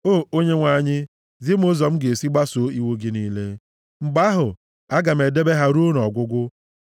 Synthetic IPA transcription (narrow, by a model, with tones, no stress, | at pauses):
o˦˨o˦ɲe˦ŋʷa˨ɲɪ˦ | zi˦m̩˦ʊ˦zɔ˨m̩˦ɡe˨si˦ɡ͡ba˦so˨i˦wo˦ɡɪ˦ni˦le˦ | m̩˨ɡ͡ba˦ɦʊ˨ | a˦ɡa˨m̩˨e˨de˦be˦ɦa˦ɾu˦n˨ɔ˨ɡʷʊ˦ɡʷʊ˦